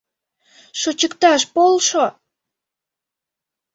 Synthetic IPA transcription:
ʃot͡ɕəkt̪ɑʃpolʃo

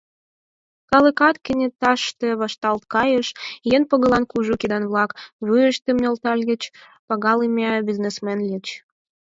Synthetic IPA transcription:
kɑləkɑt̪kə̆nʲet̪ɑʃt̪ĕβɑʃt̪ɑlt̪̚kɑjəʃjenpəɣə̆lɑnkuʒukid̪ɑnβlɑkβujəʃt̪emnʲolt̪ɑlʲɣə̆t͡ɕ | pɑɣɑləmʲɑbiznesmenlʲit͡ɕ

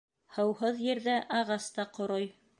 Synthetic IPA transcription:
hɤ̆whɤðjɘ̆ɾðæʔɑʁɑst̪ɑqŏɾoj

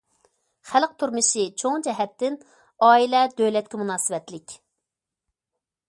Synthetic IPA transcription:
χælq̚t̪ʰuɾmɨʃit͡ʃʰoŋd͡ʒɛɦɛt̪ːɪn | ɑːilɛd̪ølɛkʲt̪ʲɛmunɑːsɨwɛt̪lɪkʲ

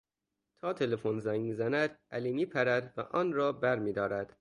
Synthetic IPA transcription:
t̪ʰɒːt̪ʰe̞lefonzæŋɡmiːzænæd̪̥ʔæliːmiːpʰæɾæd̪væ̰ʔɒːnɾɒːbæɾmiːd̪ɒːɾæd̪̥

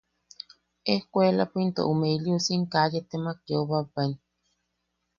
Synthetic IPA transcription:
ehkʷelapint̪o̰ʔumeiliusiŋkajet̪emakjoβaban

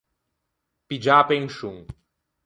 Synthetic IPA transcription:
pid͡ʒaːpeŋʃuŋ

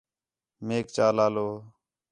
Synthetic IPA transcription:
meːk̚t͡ʃaːlaːloː

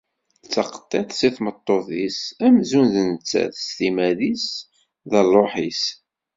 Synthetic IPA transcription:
t͡sːɑqə̥t̪ˤːeθsiθmət̪ˤːoθisæmzunðənət͡sːæ̰θst̪imæðis | ðəlˤoħis

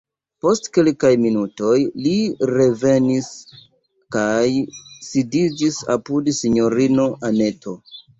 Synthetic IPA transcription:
po̞stkelkajminuto̞jliɾe̞ve̞nis | kajsidid͡ʒisa̰pudsiɲo̞ɾino̞ʔane̞tʰo̞

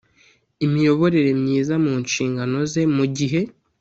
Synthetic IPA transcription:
imijo̞βo̞ɾe̞ɾe̞mɲiːzamuːnʃiːŋɡano̞ze̞muɟiɦe̞

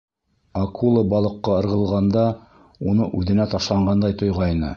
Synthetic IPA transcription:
akʰulˠəbɑlˠɤ̆qːɑɤ̆ɾʁɤ̆lˠʁɑnd̪ɑ | unɤʔʉðɘ̆næt̪ɑʃlˠɑɴɢɑnd̪ɑjt̪ŏjʁɑjnɤ̰

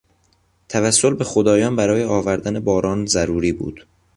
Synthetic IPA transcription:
t̪ʰævæsːo̞lbe̞xod̪ɒːjɒːnbæɾɒːjeɒːvæɾd̪ænebɒːɾɒːnzæɾuːɾiːbṵːd̪̥

